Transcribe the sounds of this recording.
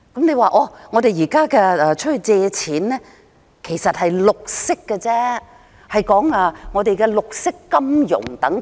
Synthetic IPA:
kɐ˨˥mne˧jwaː˨˧ʔɔː˧ŋɔː˨˧t̪e˨jjiː˨˩kaː˥kɛː˧ɛː˧t͡ʃʰɵ˥t̚hɵ˧ɥt͡sɛː˧t͡sʰiː˨˥nlɛː˥ | kʰe˨˩jsɐ˨t̚hɐ˨jlʊ˨k̚sɪ˥kːɛ˧t͡sɛː˥ | hɐ˨jkɔː˨˥ŋaː˧ŋɔː˨˧t̪e˨jkɛ˧lʊ˨k̚sɪ˥kːɐ˥mjʊ̰˨˩ŋt̪ɐ˨˥ŋ

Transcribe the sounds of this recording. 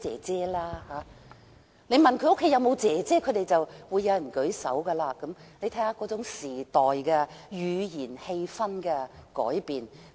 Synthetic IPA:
t͡sɛː˨˩t͡sɛː˥laː˥haː˨˧˥ | ne˨˧jmɐ˨nkʰɵ˨˧˥ʊ˥kʰːe˨˥jɐ˨˧wmo˨˧wt͡sɛː˨˩t͡sɛː˥kʰɵ˨˧ɥd̪e˨jt͡sɐ˨wwuː˨˧jːɐ˨˧wjɐ˨˩nkɵ˨˥ɥsɐ̰˨˥wɡɐ˧laː˧kɐ˨˥mle˨˧jt̪ʰɛː˨˥ŋhaː˨˥kɔː˨˥t͡sʊ˨˥ŋsiː˨˩t̪ɔː˨jkɛː˧jyː˨˧jiː˨˩nhe˧jfɐ˥nkɛ˧kɔ̰ː˨˥jpiː˨n

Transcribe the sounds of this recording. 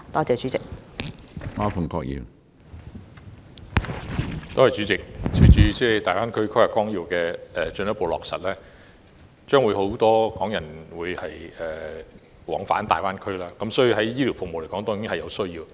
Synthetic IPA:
t̪ɔː˥t͡sɛː˧t͡ʃyː˨˥t͡sɪ˨k̚ | paː˥fɐ˨˩ŋkɔ̰ː˧k̚jḭː˨˩w | t̪oː˥hɐ˨jt͡ʃyː˨˥t͡sɪ˨k̚t͡sʰi˨˩nt͡ʃyː˧t͡sɛː˥˧t̪aː˨jwfaː˥nkʰɵ˥ɥkʰjha˨kɔː˥ŋjiː˨˧wkɛː˧ɛ˨t͡ʃɵ˧njɐ˥tpo˧wlɔ̰ː˨˩k̚sɐ̰˨t̚lɛː˥ | t͡ʃœː˥ŋwu˨˧jho˨˥wt̪ɔː˥kɔː˨˥ŋjɐ˨˩nwuː˨˧jhɐ˨jɛː˨˩ | wɔ̰ː˨˥ŋfa̰ː˨˥nt̪a̰ː˨jwaː˥nkʰɵ˥ɥlaː˥kɐ˨˥msɔː˨˥jiː˧ɦɐ˨˥jjiː˥li˨˩wfʊ˨k̚mo˨wle˨˩jkɔː˨˥ŋt̪ɔː˥i˥ŋhɐ˨jɐ˨˧wsɵ˥ɥjiː˧w

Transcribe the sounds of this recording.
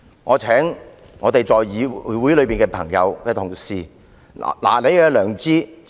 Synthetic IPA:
ŋɔː˨˧t͡ʃʰɛː˨˥ŋ | ŋɔː˨˧t̪e˨jt͡sɔː˨jːiː˨˧˨wu˨˥jlɵ˨˧ɥpiː˨nkɛː˧pʰɐ̰˨˩ŋjɐ̰˨˧wkɛː˧t̪ʰʊ˨˩ŋsḭː˨˩˨ | la̰ː˨˩le˨˧jkɛː˧lœː˨˩ŋt͡siː˥

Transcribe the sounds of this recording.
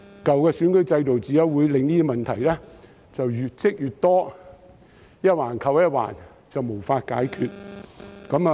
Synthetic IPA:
kɐ˨wkɛː˧syː˨˥nkɵ˨˥t͡sɐ˧jt̪o˨wt͡siː˨˧jɐ˨˥wuː˨˧jlɪ˨˧ŋniː˥i˧mɐ˨nt̪ʰɐ˨˩jlɛ˥ | t͡sɐ˨wjyː˨t̚t͡sɪ˥k̚jyː˨˩t̚t̪ɔː˥ | jɐ˥t̚waː˨˩nkʰɐ˨wjɐ˥t̚wa̰ː˨˩n | t͡sɐ˨wmo˨˩wfaː˧t̚ka̰ː˨˥jkʰyː˨˧t̚kɐ˨˥m˧

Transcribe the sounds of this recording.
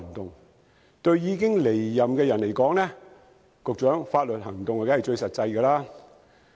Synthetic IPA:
ŋt̪ʊ˨ŋ | t̪ɵ˧ɥjiː˨˧kɪ˥ŋle˨˩jːɐ˨˩mkɛː˧jɐ˨nle˨˩jkɔː˨˥ŋnɛː˥ | kʊ˨k̚t͡ʃœː˨˥ŋfaː˧t̚lɵ˨t̚hɐ˨˩ŋt̪ʊ˨ŋɔː˨kaː˨˥˨t͡ʃɵ˧ɥsɐ˨t̚t͡sɐ˧jkɛː˧laː˥

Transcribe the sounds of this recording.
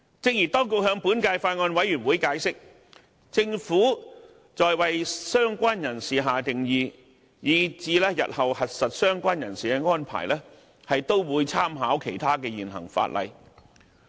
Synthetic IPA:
t͡sɪ˧˨k̚jiː˨˩t̪ɔː˥ŋk̬o˧whœː˧ŋpuː˨˥nkaː˧jfaː˧t̚ŋɔː˧nwɐ˨˥jyː˨˩nwuː˨˥jkaː˨˥jsɪ˥k̚ | t͡sɪ˧ŋfuː˨˥ | t͡sɔː˨jwɐ˨jsœː˥ŋkʷaː˥njɐ˨˩nsiː˨ɦaː˨t̪ɪ˨ŋjiː˧ | jiː˨˧t͡siː˨˧lɛː˥jɐ̰˨t̚hɐ˨whɐ˨t̚sɐ˨t̚sœː˥ŋkʷaː˥njɐ˨˩nsiː˨kɛː˧ŋɔː˥npʰa̰ː˨˩jlɛː˥ | hɐ˨jt̪o˥wwuː˨˧jt͡sʰaː˥mɦaː˨˥wkʰe˨˩jt̪ʰaː˥kɛː˧jiː˨˩nɦɐ̰˨˩ŋfa̰ː˧t̚lʔɐ̰˨j

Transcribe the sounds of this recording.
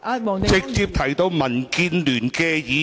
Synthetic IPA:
t͡sɪ˨k̚t͡siː˧p̚t̪ʰɐ˨˩jt̪o˧wmɐ˨˩nkiː˧nlyː˨˩nkɛː˧jiː˨˧˥

